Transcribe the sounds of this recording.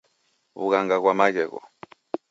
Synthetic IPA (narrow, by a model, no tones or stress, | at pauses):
βṵɣaŋɡaɣwamakɛkɔ̰